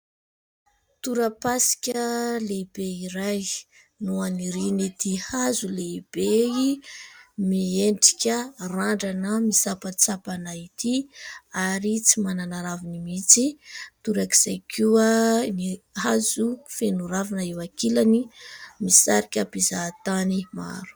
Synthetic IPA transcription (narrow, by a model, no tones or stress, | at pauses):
t̪uɾəpasi̥kʲəleib̥eiɾaj | nuaniɾinit̪ihazuleib̥ei | mieɳʈ͡ʂi̥kʲəraɳɖ͡ʐanəmisapat͡sapanait̪iaɾit͡simananaɾavinimit͡sit̪uɾakiz̥ajkʰuaniɦazufenuɾavanəewakilanimisaɾikʲapizat̪anima̰ɾu̥